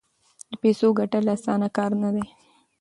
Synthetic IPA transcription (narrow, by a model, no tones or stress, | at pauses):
d̪əpesoɡaʈalaːsɑnakɑːɾnad̪e